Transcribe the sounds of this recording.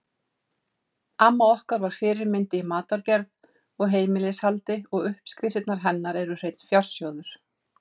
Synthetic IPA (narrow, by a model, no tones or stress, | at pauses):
aːmːaɔhkaɾvaɾ̥fɪːɾɪɾmɪnt̪ɪmaːt̪aɾcɛɾð | ɔɣɦeːjmɪlɪshalt̪ɪɔɣʏhpskɾɪfɪt̪naɾ̥ɦɛnːaɾɛɾʏr̥ejt̪̚n̥fjar̥sjɔːwðʏɾ̥